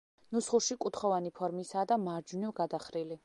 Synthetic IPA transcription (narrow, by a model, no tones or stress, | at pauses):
nusχuʃikʼut̪ʰχɔvanipʰɔɾmisaːd̪amaɾd͡ʒunɔɡad̪aχɾili